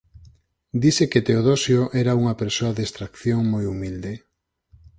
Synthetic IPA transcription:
d̪iseket̪eoðosjoʔɛɾauŋɐpeɾsoɐðest̪ɾakθjoŋmojumild̪e

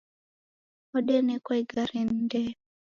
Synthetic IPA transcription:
ɔɗɛnɛkaiɡaɾin̩dɛ

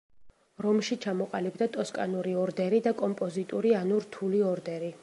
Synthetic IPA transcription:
ɾɔmʃit͡ʃʰamɔqʼalibd̪at̪ʼɔskʼa̰nuɾiɔɾd̪ɛɾid̪akʼɔmpʼɔzit̪ʼuɾianuɾt̪ʰuliɔɾd̪ɛɾi

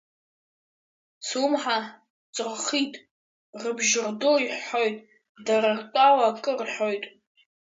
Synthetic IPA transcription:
sʰumħa | t͡sʼrχitʼ | rɨbʒɪrdoiħħojtʼ | darartʷʼawaːkʼɨrħojtʼ

